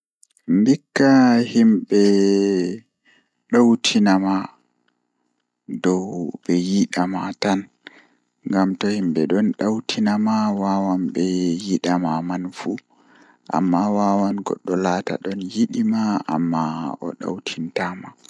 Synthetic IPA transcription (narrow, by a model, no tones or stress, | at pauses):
mbikːahimɓɛ | ɗawtʰinama | dɔwbɛjiɗamatan | ŋɡamtɔhimɓɛɗɔnɗawtʰinamawawambɛjiɗamamanfu | ʔa̰mːawawanɡɔ̰ɗːɔlata̰ɗɔnjiɗimaʔa̰mːaɔ̰ɗa̰wtʰintama